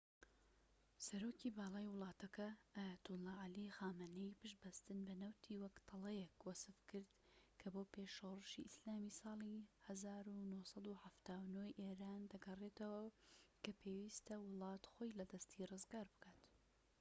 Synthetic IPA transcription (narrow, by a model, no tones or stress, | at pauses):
sɐɾoːcibɑːlˠɑːjwɨlˠɑːt̪ʰɐkɐʔaːjɐt̪ʊlːɑːʕalixaːmanɛjpɨʃbɐst̪ɨnbɐnɐwt̪ʰiːwɐkt̪ʰɨlɐjekwɐsɨfkɨɾd̪kʰɐboːpeʃoːrɨʃḭʔɪslaːmisɑːlˠihɐzaːɾunohsɑd̪uħaft̪aːwnoːjʔeːɾaːnd̪ɐɡɐret̪ɐwɐkʰɐpʰeːwiːst̪ɐwɨlˠɑːt̪xojlɐd̪ɐst̪ʰirɨzɡaːɾbɨ̥kaːt̪